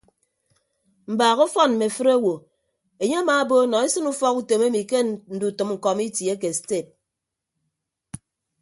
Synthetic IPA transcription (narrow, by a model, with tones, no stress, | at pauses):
m̩˨baː˨ɣo˦fɔ˦nm̩˨me˨fɨ˦ɾe˦wo˨ | e˨ɲe˦a˦maː˨˦bo˦nɔ˨e˦sɨ˦nu˦fɔ˦ku˨to˨me˦mi˨ke˦n̩˨du˨tɨ˨mŋ̩˨kɔ˨mi˦tje˦k̬e˨ste˦˨p̚